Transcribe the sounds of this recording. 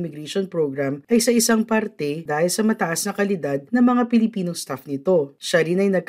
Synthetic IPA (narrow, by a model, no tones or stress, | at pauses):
mɪɡɾɛʃonpɾoɡɾamʔɐjsɐʔɪsaŋpɐɾt̪ɛd̪aːhɪlsɐmɐt̪ɐʔasnɐkɐlɪd̪ad̪̚nɐŋmɐŋapɪlɪpiːnoŋst̪afnɪt̪o̞ʃaɾinɐjnɐɡ̚k